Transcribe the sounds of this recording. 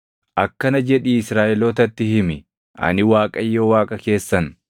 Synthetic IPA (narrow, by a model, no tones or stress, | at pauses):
ʔɐkːɐnɐd͡ʒɛᶑiɪsɾaːʔɛloːt̪ɐt̪ːɪhɪmɪ | ʔɐ̰nɪwaːkʼɐjːoːwaːkʼɐke̞ːsːɐn